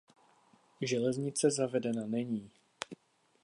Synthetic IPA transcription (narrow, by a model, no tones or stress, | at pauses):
ʒɛlɛzɲɪt͡sɛzavɛdɛnanɛɲiː